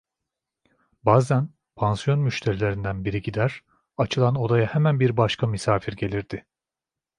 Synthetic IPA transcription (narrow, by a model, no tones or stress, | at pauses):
baːzæn | pʰansjo̞nmyʃt̪ʰe̞ɾilʲe̞ɾind̪ænbiɾiɟid̪æɾ̥ | at͡ʃʰɯlˠano̞d̪ajahemænbiɾbaʃkʰamisaːfiɾɟe̞lʲiɾd̪̥ɪ